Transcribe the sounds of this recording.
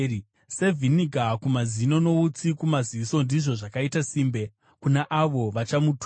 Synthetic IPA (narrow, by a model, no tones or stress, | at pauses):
se̞vʱiniɡʱakumazino̞no̞ut͡sikumaziso̞ndiʐo̞ʐakaitasiːmbe̞ | kunaʔaʋo̞ʋat͡ʃamutu